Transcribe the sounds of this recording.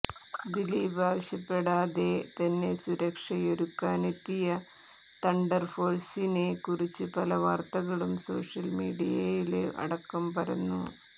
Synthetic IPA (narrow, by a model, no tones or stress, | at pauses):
d̪iliːbaːʋɐɕjɐpːeɽaːðe̞t̪ɐnːe̞suɾɐkʂɐjoɾukːaːnet̪ːijɐ | t̪ɐɳɖɐrfo̞ːrsinekurit͡ɕːɨpɐlɐʋaːrt̪ɐɣɐɭumso̞̰ːʂjɐlmiːɽijɐjilʔɐ̰ɽɐkːɐmpɐɾɐnːṵ